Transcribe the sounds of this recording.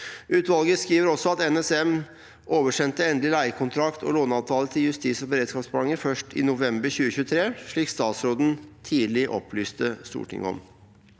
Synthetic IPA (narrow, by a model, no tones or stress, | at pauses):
ʉːt̪ʋɑlɡəskiːʋəɾɔsɔɑt̪ɛnɛsɛm | ʔoːʋəʂɛnt̪əɛnd̪lɪlæɪkʰʊnt̪ʰɾɑkt̪ʰɔ̰loːnɑːʋt̪ʰɑːlət̪ʰɪljʉst̪iːsɔbəɾeːd̪skɑːpsbɑŋːəfœʂʈɪ̰nʊʋɛmbəɾçʉːəçʉːt̪ʰɾeːʂɭiːkst̪ɑːt̪sɾoːd̪n̩t̪ʰiːlɪʔɔ̰pʰlyːst̪əst̪ṵːʈʰɪ̰ŋɔ̰m